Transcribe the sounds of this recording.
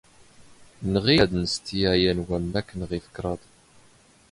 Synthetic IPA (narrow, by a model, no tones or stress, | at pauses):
nəʁiæd̪nəst̪ijæjænwæmːækːənʁifə̥kːɾˤɑðˤ